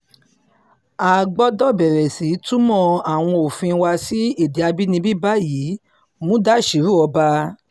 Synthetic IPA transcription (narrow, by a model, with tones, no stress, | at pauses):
a˨ɡ͡bɔ˦dɔ˦˨bɛ˨ɾɛ˨si˨˦tũ˦mɔ̃˦˧a˦˨w̃ɔ̃˧o˨fĩ˧wa˧si˨˦e˦˨di˨˦a˧bi˦nĩ˧bi˦ba˦jiː˨˦ | mũ˦da˦˨ʃi˨˦ɾu˦˨ɔ˧ba˧